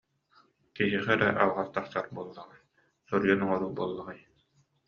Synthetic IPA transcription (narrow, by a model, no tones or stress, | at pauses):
k̪iɦiχɛɾɛʔalaʁast̪asaɾbuɔlˠːaʁaj | sɔɾjɔnɔŋɔɾubuɔlˠːaʁaj